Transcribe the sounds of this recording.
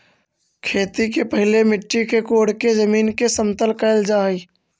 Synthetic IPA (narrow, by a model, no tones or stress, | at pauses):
kʰeːt̪ikepəɦɪlemɪʈːikekoːɽkezəmiːnkesə̃nt̪əlkəɪld͡ʒaːiː